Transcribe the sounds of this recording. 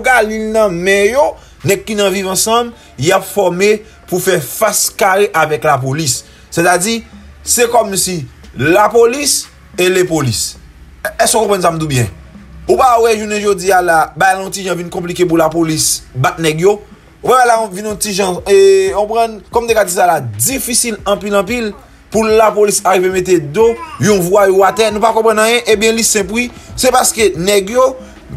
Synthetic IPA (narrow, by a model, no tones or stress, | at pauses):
kalilnʌ̃mɛ̃jo | nɛɡ̚kːinɐ̃vivɐ̃sʌ̃m | japfɔme | pufɛfaskaɣeʔavɛklap̬olisː | et̪ad͡zisɛkɔmsilapolis | elepolis | ɛsokɔ̃pʁãns̬am̩d̪ubjɛ̰̃upawɛʒuneʒod͡zialabajl̃ɔ̃tiʒãvinkɔ̃p̬likep̬ulapolisbat̪̚nɛɡjo | upabajlãvĩnɔ̃tiʒãekõpʁʌ̃nkɔm̩t̪ekad͡zisalad͡zifisilɐ̃pilʌ̃p̬il | pulapolisaɣivemet̪̬ed̪ojɔ̃vwajoat̪ɛnũpakɔ̃pɣãnãjɛ̃ʔẽbjɛ̃lisɛ̃p̬wisɛpaskenɛɡjo